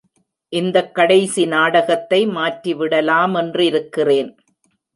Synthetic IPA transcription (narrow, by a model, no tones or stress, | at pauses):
ʔɪnd̪ɐkːɐɽɐɪsinaːɽɐɣɐt̪ːɐɪmaːʈriʋɪɽɐlaːmɛndrɯɪɾɯkːɪreːn